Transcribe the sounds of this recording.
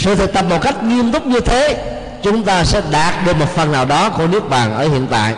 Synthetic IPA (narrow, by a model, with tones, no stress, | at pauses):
sɨ̰˧˨t̪ʰɨ˨˩k̚t̪ə˨˩p̚mo˨˩ka˦˥jk̟̚ŋi˧əmt̪ʊ˦˥k͡p̚ɲɨ˧t̪ʰe˨˦ | t͡ɕʊ˨˦ŋ͡mt̪aː˧sɛ̰˧˥ɗaː˨˩t̚ɗɨ˨˩k̚mo˨˩t̚fə˨˩nnaː˨˩wɗɔ˨˦ko˧nɨ˦˥ək̚ɓaː˨˩nʔəː˧˩hḭ˧˨ənt̪a̰ː˧˨jʔ